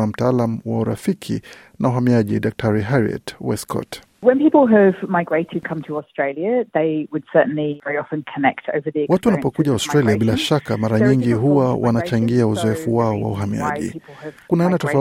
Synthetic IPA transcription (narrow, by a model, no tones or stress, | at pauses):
am̩taalamuwauɾa̰fikʰḭ | nauɦamiaʄidak̚tʰaɾiɦaɾiɛ̰twɛskʰɔ̰t | wə̃npipl̩ˠɨvmaɪɡɹeɪtʰɨd̚kʰʌ̃mtʰəɔstɹ̥eɪlˠjɨðeɪwɨd̥sɜ˞ʔn̩livɛɹiɑfɨ̃nkʰənɛ̰k̚tʰo̰ʊvə˞ðiwatuwanapɔkuʄawaʊstɾaliabilaʃakamaɾaɲiŋɡiɦuwawʔa̰nat͡ʃaŋɡiauzɔɛfuwaɔwa̰uɦamia̰ʄḭvkunaɛnatɔfa